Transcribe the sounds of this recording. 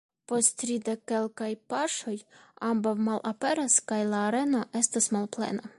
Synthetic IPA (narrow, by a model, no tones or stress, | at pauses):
po̞stɾid̪ekːe̞lkajpaʃo̞jambawmalʔape̞ɾaskajlaːɾe̞noʔe̞stasmalplḛna